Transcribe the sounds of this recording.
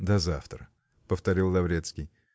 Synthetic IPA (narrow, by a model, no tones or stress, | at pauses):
d̪ɐzaft̪ɾə | pəft̪ɐɾʲilˠd̪ɐvɾʲet̪skʲɪj